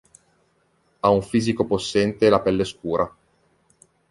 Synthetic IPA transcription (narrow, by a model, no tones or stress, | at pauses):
auɱfiːzikoposːɛnt̪elapɛlːeskuːɾʔa